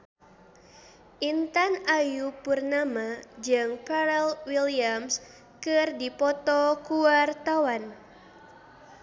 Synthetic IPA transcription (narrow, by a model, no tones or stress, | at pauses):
ʔint̪anajupurnamad͡ʒɨŋpaɾɛlwiliams | kɨrdipɔt̪ɔkuwart̪awan